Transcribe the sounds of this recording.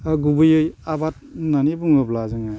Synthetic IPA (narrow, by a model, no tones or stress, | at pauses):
aɡubɯjɯjabat̚nanibuŋɯblazɯŋa